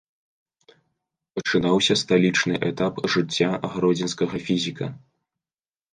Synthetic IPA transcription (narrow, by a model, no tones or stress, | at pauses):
ɐt͡ʂɨnawsʲɐst̪alʲit͡ʂnɨʔɛt̪apʐɨt͡sʲːaɐɣɾɔd͡zʲɛnskɐɣɐfʲizʲikɐ̰